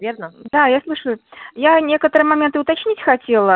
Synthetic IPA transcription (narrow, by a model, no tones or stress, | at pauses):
vʲernəd̪̥ajaslˠɨʂəjʊjanʲekət̪əɾɨjəmɐmʲent̪ɨʊt̪at͡ɕnʲit͡sʲxɐtʲelˠə